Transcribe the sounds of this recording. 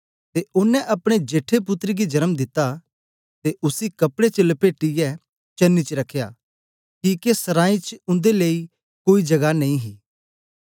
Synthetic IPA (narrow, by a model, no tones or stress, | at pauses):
t̪eʊnːɛ̃ʔɐpɽ̃ed͡ʒeːʈʰːep̬ʊt̪ɾiɡid͡ʒɐɾəmd̪ɪt̪ːa | t̪eʔʊsikɐpɽet͡ʃələpeːʈːɪjɛ | t͡ʃɐnːit͡ʃəɾɐkʰːja̰ː | kiːkesɐɾãːĩt͡ʃʊ̃nd̪eleːi | koːid͡ʒɐɡanɐ̃ĩɦiː